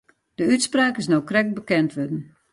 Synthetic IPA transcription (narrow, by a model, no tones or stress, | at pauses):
d̥əytspraːkɪsnowkrɛk̚bəkɛntʋødən̩